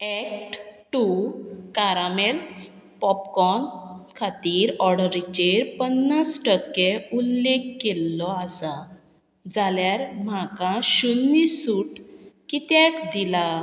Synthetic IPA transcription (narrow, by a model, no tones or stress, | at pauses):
ɛk̚ʈʈukaɾamel | pɔpkɔnkʰat̪iːɾɔɽəɾit͡ɕeɾpənːasʈəkːeulːekːelːɔasa | d͡zaljaɾm̤akãɕunːisuʈkit̪jakd̪ila